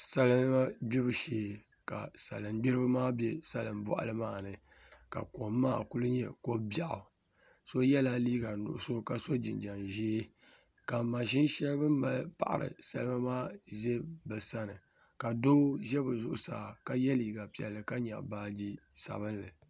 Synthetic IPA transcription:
sa˦lɨ˦m˦a˦bi˦bɨ˦ʃeː˨ | ka̰˨sa̰˨lɨ˨mbi˦ɾɨ˦bɨ˦maː˦bɛ˦sa˦lɨ˨mbɔ̰˨ʔa̰˨lɨ˦maː˦˨nɨ˨ | ka̰˨ko˨mː˦aː˦ku˦lɨ˦ɲɛ˨ko˦ba˦ʔʊ̰˨ | so˦jɛ˦la˦liː˦ɡa˨nʊ̰˨ʔʊ˨so˦ka˨so˦d͡ʒi˨nd͡ʒa˨nʒi˦ | ka˨ma˨ʃɪ˦nʃɛ˦lbɨ˦m˦ba˨lpa̰˨ʔa̰˨ɾɨ̰˨sa̰˦lɨ˦ma˦maː˦ʒɛ˦bɨ˨sa˦nɨ˨ | ka˨do˦ʒɛ˦bɨ˨zʊ˦ʔʊ̰˨saː˨ka˦jɛ˦liː˨ɡa˨pi˨ɛ̰˨lːɨ˨ka˦ɲa̰˨baː˦d͡ʒi˦sa̰˨βɨ˦nlɨ˨

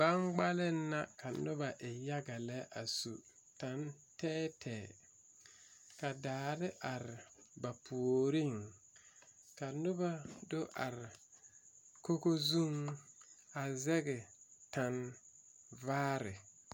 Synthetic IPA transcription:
ba˦nɡ͡ba˦lɪ˦nː˦a˦ka˨nʊ˦ba˨ʔɪ˨ja˦ɡa˨lɛ˦ʔa˨su˨ | ta˨n | tɛː˦tʰɛː˨ | ka˨daː˨ɾɪ˦ʔa˨ɾɪ˨ba˨pʰu˨o˨ɾi˦ŋ | ka˨nʊ˦ba˨do˦ʔa˨ɾɪ˨ | ko˦ko˦zu˦ŋ | a˨zɛ˦ɡɛ˨ta˨n | vaː˦ɾɪ˨

